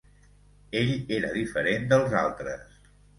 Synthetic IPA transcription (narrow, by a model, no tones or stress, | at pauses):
eʎeɾəðifəɾend̪əlˠza̰lˠt̪ɾəs